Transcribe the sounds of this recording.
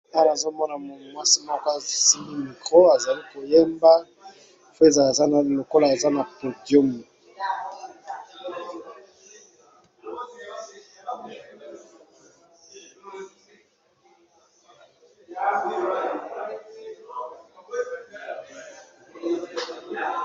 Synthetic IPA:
a˦wa˨zo˦mɔ˦na˨mo˨mwa˦si˦mɔ˦ko˦a˨si˦mi˦mi˨kʁo˦a˨za˨li˦ko˨je˦mba˦ | fo˦e˦˨za˨lza˦na˨lo˨ko˦la˨e˨za˦na˨po˨djo˦mu˨

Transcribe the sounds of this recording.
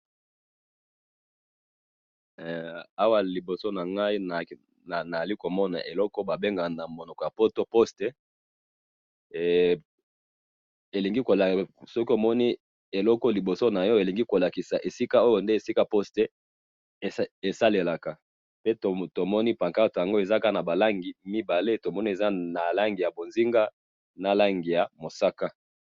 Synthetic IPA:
a˦wa˦li˨bo˨so˦na˨ŋɡa˦i˦na˨˦ | na˨na˨a˨li˦ko˨mɔ˦na̰˨ʔe˨lɔ˦kɔ˦ba˨be˦ŋɡa˨na˨mo˨nɔ˨kɔ˨ja˨po˦to˦po˦stɛ˦˨ | e˨li˨ŋɡi˦ko˨la˨sɔ˦ki˦o˨mɔ˦ni˦ | e˨lɔ˦kɔ˦li˨bo˨so˦na˨jɔ˦e˨li˨ŋɡi˦ko˨la˨ki˨sa˨ʔe˨si˦ka˦o˦jo˨nde˦e˨si˦ka˦po˦ste˨˦ | e˨sa˦le˨la˨ka˨ | pe˦to˨to˨mɔ˦ni˦pa˨ŋka˦tja˨ŋɡo˦e˨za˦ka˦˨na˨ba˨la˦ŋɡi˨mi˦ba˨le˦to˨mɔ˦ni˦e˨za˦na˨la˦ŋɡi˨ja˨bo˨nzi˦ŋɡa˦ | na˦la˦ŋɡi˨ja˨mo˨sa˦ka˦

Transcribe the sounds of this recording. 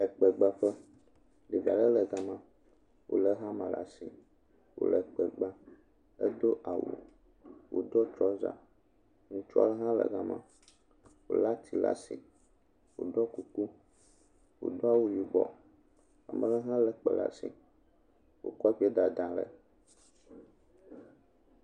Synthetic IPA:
ɛ˨k͡pɛ˨ɡ͡ba˦fɛ˦ | ɖe˨vi˨a˨lɛ˦lɛ˨ɡa˨mã˦ | wo̰˨lɛ˦ɦã˦mã˨la̰˨si˨ | wo̰˨lɛ˨k͡pɛ˨ɡ͡ba˦ | ɛ˦d̪o˦ʔa˨wṵ˨ | wo̰˨d̪ɔ˦t͡ʃɔ˦za̰˨ | ŋũ˦t͡ʃu˦a̰˦lɛ˦ɦã˦lɛ̰˨ɡa˦mã˦ | wo̰˨la˦t̪i˨la̰˦sḭ˨ | wo˨ɖ̪ɔ˦ku˨ku˦ | wo̰˨d̪o˦a˦˨wu˦ji˨ɡ͡bɔ̰˨ | a˨mɛ̃˦lɛ˦ɦã˦lɛ˨k͡pɛ̰˨la̰˦sḭ˨ | wo̰˨kɔ˦ɸi˦ɛ˦d̪a˨d̪ã˨lɛ˨

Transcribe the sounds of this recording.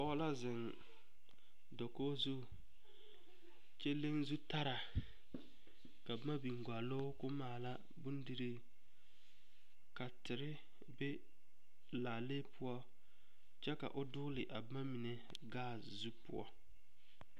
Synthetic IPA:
pɔː˦la˦zɪ˨n | do˨koː˦zu˦ | t͡ʃe˦le˦ŋzu˦ta˦ɾa˨ | ka˨bma˦bi˨ŋ˨ɡʷa˨lo˦kʊ˦maː˨la˦ | bu˦ndi˦ɾi˦ | ka˨tɪ˨ɾɪ˦ | be˦ | laː˨leː˦pʰʊ˦ɔ˦ | t͡ʃɛ˦ka̰˨ʔʊ˦dʊ˦lɪ˨ʔa˨bma˦mi˨ne˨ | ɡaː˦˨ | zu˦pʊ̰˦ɔ̰˦

